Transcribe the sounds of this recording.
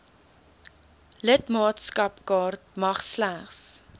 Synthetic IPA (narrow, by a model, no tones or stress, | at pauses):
lətmɑːtskɐpkɑːrt̚mɐχslæχs